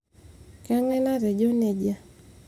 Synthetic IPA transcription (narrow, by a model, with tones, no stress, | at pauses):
ka˦ŋɛ˦na˦ɾɛ˨d͡ʒo˦ne˨d͡ʒa˦˨